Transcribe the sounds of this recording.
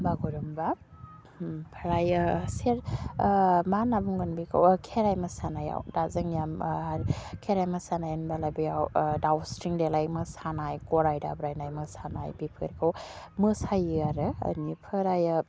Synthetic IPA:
baɡuɾɯmba | pʰaɾajaseɾ | manabuŋɡɯnbikʰɯ̰wkʰeɾajmɐsanaja̰wdazɯŋjamaɾkʰeɾajmɐsanajanbalabijawdawsɾiŋdelajmɯsanajkɔɾajda̰bɾajnajmɯsana̰jbipʰɯ̰ɾkʰɯw | mɯsajɯaɾɯə̰nipʰɯɾaja

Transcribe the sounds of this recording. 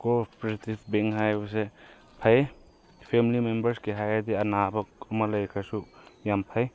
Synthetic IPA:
kopɾisitibʰbeŋɦajbɐs̬e | pʰaje | pʰemilimembɐɾskiɦajadianabɐk̚ɐmalajkʰasujampʰaj

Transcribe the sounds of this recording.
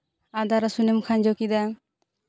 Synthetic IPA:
ad̪aɾasunemkʰand͡ʒɔkid̪a

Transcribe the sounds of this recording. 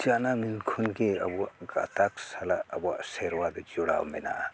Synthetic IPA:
d͡ʒanamilkʰunkeɐbuaɡa̰t̪aksalaɐbua̰seɾwad̪ɔd͡ʒɔɽa̰wmena̰

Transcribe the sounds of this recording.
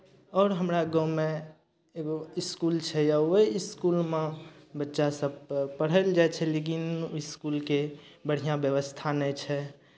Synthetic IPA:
ɔːɾɦəmɾaɡɔ̃me | eɡoiskult͡ʃʰɛjaoiiskulmẽbətːʃasəb̚pəɽ̤əld͡ʒaet͡ʃʰɛlek̬iniskulkebəɽ̤ijãbjəʋəst̪ʰanɛt͡ʃʰɛ

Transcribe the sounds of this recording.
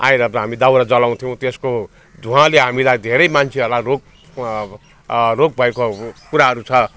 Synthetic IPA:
a̰j̃ɾʌbʌɦamid̪awɾad͡zʌlaw̃t̪ʰijʌw̃t̪esko | d̪ʱũɦãleɦamilajd̪ʱeɾʌjmant͡sʰeʌrlarok̚ | rok̚bʱʌekokuɾaɦʌɾut͡sʰʌ

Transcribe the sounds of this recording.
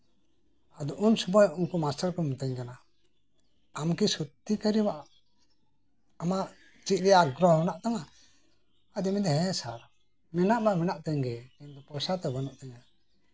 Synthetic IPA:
ad̪ɔʔunsubajunkumasʈaɾkɔmut̪əɲkana | mkisut̪ːikəɾibaʔaʔ | amaʔ | t͡ʃit̪̚ˀɾɛjaɡɾɔɔnaʔt̪aŋa | ad̪imɛd̪ɛɦɛ̃saɾ | mɛnaʔbamɛnaʔt̪ɛɲɡɛɛnd̪ɔpɔsat̪ɛbanaʔt̪ɛɲa

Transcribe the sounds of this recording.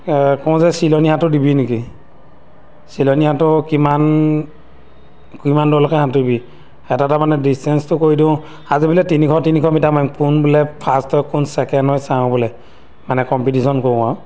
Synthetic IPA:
kɔw̃zɛsilɔnijatʊdibiniki | silɔnijatʊkiman | kimandɔlɔkɛhatudbi | ɛtatamanɛdistɛnstʊkoidĩʊ̃ | azibulɛtinikʰɔtinikʰɔmitamajmkunbulɛpʰastɔjkunsɛkɛndɔjsaɔ̃bɔlɛ | manɛkɔmpitisɔnkokaw

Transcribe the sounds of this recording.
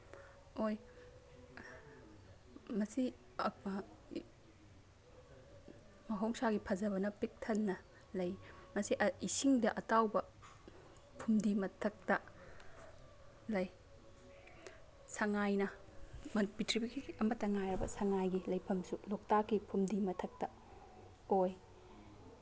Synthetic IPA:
oj | mɐsi | mɐɦowŋsaɡipʰɐzɐbɐnɐpik̚tʰɐnːɐ | lɐjmɐsiʔisiŋdɐʔɐtawbɐ | pʰumdimɐtʰɐk̚tɐ | lɐj | sɐŋajnɐ | mɐpitʰɾibikiɐmɐtːɐŋajɾɐbɐ̰sɐŋajɡilɐjpʰɐmsulok̚takːipʰumdimɐtʰɐk̚tɐ | oj

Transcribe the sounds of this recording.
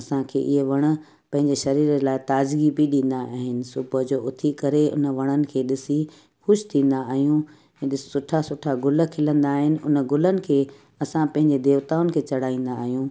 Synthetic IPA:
ɐsãkʰḛːʔɪɦeʋɐɽ̃ə̆ | pɐ̃ɦɪ̃ɲd͡ʑeʃɐɾiːɾəlaːɪt̪aːd͡ʑɡibiɗĩːn̆d̪aaːɦɪnɪ̆sʊbəd͡ʑoːʊt̪ʰikɐɾeʊ̰nəʋɐɽ̃ənɪ̆kʰeːɗɪsi | xʊʃt̪ʰĩːn̆d̪aːɦijũ | ɛ̃ːɗɪsʊʈʰasʊʈʰaɡʊlə̆kʰɪlə̃nd̪aːɦɪnɪ̆ʊnə̆ɡʊlənɪ̆kʰeː | ɐsãpɐ̃ɦɪ̃ɲd͡ʑed̪eːʋt̪aːʊnɪ̆kʰeːt͡ɕɐɽ̤aːĩːn̆d̪aːɦijũː

